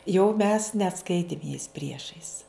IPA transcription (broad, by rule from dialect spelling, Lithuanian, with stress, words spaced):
jɛʊ mʲɛs nʲɛˈskɐɪtʲɪm jɛɪs ˈpʲrʲiɛʃɐɪs